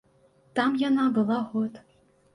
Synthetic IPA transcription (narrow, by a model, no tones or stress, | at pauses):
t̪ɑmjanabɨlˠɑɣot̪